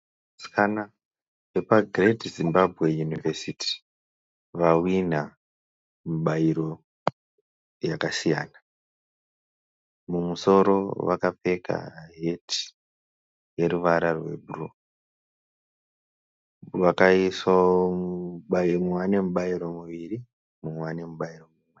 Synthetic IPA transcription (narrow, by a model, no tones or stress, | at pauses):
skʰana | epaɡretzimbabʱɣe̞junivesitʰi̥ | ʋawin̤a | muɓaiɾo̞ | jakasija̰ːna | mumuso̞ɾo̞̰ʋakape̞ka̰ɦe̞ti̥ | je̞ɾuʋaɾarwe̞̰buru | ʋakaiswaomumuwane̞muɓaiɾo̞muʋiri | mumwane̞muɓairo̞mumwe